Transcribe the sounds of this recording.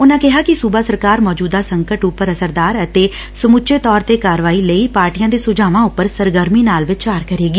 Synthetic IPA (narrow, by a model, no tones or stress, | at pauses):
ʊnãːkɪɦaːkɪsubaːsəɾkaːɾmɔːd͡ʒuːd̪aːsəŋkəʈʊpːəɾəsəɾd̪aːɾət̪eː | səmʊʃʰeːt̪ɔːɾt̪eːkaːɾʋaːiːləiːpaːɾʈiːjãːd̪eːsʊd͡ʒaːʋãːʊpːəɾsəɾɡəɾmiːnaːlʋɪt͡ʃt͡ʃaːɾkəɾeːɡiː